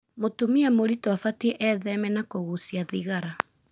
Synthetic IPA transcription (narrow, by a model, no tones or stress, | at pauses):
motumiamoɾitwafatieʔɛðɛmɛnakoɣusiaðiɣaɾa